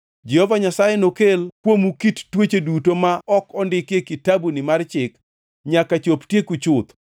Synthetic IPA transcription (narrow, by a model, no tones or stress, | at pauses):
d͡ʒɛhɔvaɲasajenokelkwomukittwet͡ʃedutomaɔkɔndɪkjekɪtabunɪmart͡ʃɪk | ɲakat͡ʃoptjekut͡ʃʊt̪